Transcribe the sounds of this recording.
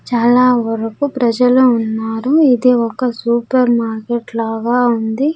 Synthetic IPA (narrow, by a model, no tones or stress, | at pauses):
t͡ʃaːlaːʋɐɾɐkupɾɐd͡ʒɐluːnːaːɾuid̪iɔkɐsuːpɐɾmaːɾkeʈlaːɡaːund̪i